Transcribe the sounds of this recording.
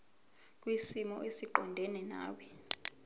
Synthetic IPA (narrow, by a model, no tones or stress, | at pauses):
k̬ʼwisimɔ̰ʔesiǃɔndʱɛnɛna̰ːwi